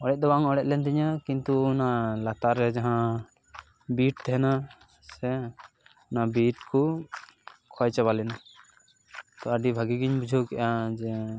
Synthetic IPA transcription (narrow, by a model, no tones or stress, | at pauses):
ɔɽɛt̪̚d̪ɔbaŋɔɽɛt̪̚ˀlɛnd̪iɲakint̪uɔnalat̪aɾɛd͡ʒaɦã | biʈ̚t̪ɛɦɛna | sɛ | nabiʈku | kʰɔjt͡ʃabalɛna | t̪ɔaɖibʱaɡiɡiɲbud͡ʒʱokɛʔad͡ʒɛ